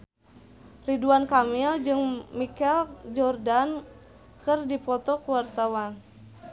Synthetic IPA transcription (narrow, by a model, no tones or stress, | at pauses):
riduankamild͡ʒɨŋmikɛld͡ʒɔrdan | kɨrdipɔt̪ɔkuwart̪awan